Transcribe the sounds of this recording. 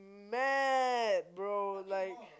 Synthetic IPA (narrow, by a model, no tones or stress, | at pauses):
mæt̚bɹoʊlaɪk̚